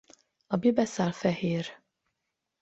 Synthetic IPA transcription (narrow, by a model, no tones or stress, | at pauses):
ɒbebɛsaːlfɛheːr